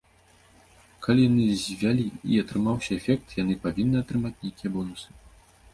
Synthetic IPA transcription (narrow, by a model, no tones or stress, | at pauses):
kʰalʲijanɨzʲvʲalʲiiɐt̪ɾɨmawsʲɐɛfʲɛk̚t̪jan̪ɨpavʲinːɨɐt̪ɾɨmat͡sʲnʲejkʲijɛbɔnusɨ̥